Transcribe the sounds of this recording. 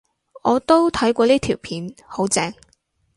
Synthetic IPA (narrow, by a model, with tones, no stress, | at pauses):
ɔː˨˧t̪o˥wt̪ʰɐ˨˥jkʷɔː˧liː˥t̪ʰiː˨˩wpʰiː˨˥nho˨˥wt͡sɛː˧ŋ